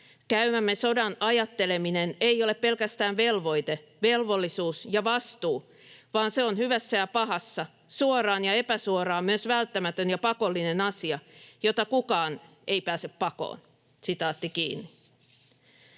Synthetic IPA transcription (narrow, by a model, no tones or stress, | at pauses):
kæymæmːe̞so̞dɑnɑjɑt̪ːe̞le̞mine̞nejo̞le̞ppːe̞lkæst̪æːʋʋe̞lʋo̞jt̪eʋe̞lʋo̞lːisuːsjɑʋɑst̪uː | ʋɑːnse̞onhyʋæsːæjɑpɑɦɑsːɑ | suorɑːnjɑe̞pæsuoɾɑːmmyøsʋælt̪ːæmæt̪ønjɑpɑko̞lːine̞nɑsiɑjo̞t̪ɑkukɑːn | ʔe̞jpæːseppɑko̰ːn | sit̪ɑːt̪ːikḭːnːi